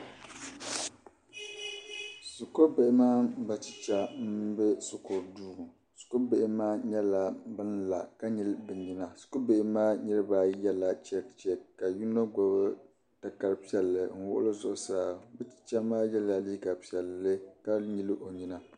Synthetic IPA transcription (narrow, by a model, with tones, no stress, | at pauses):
sʊ˨ko˦be˨ʔɪ˦maː˦ba˦ti̥˨t͡ʃa˦m̩˦bɛ˦sʊ˨ko˨duː˦˨ | su̥˨ko˦be˦˨ʔɪ˦maː˦ɲɛ˦la˨bɨ˦nla˨ka˦ɲi˦lbɨ˨ɲi˦na˨sʊ̥˨ko˦be˨ʔɪ˦maː˦ɲɛ˦ɾɨ˦baː˦jɛ˦la˨t͡ʃɛ˦kt͡ʃɛ˨ka˨ju˦no˦ɡɔ˨bɨ˦ | ta˨ka˨ɾɨ˨pi˦ɛ˨lːɨ˨ŋ̩˨wʊ̰˦ʔʊ̰˦lɨ˦zʊ˨ʔʊ˨saː˦bɨ˦ti̥˨t͡ʃa˦maː˦jɛ˦la˨li˦ɡa˨pi˨ɛ˨lːɨ˦ka˦ɲi˦lɨ˦ʔo˨ɲi˦na˨